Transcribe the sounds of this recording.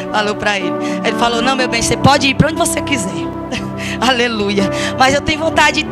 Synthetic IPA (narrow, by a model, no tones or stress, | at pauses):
falowpɾɐelɪelɪfalownɐ̃w̃mewbẽj̃sepɔd͡ʒɪiɾpɾɐõd͡ʒɪvosekizɛɾ | alelujɐmɐzewt̪ẽɲʊvõt̪ad͡ʒɪd͡ʒɪ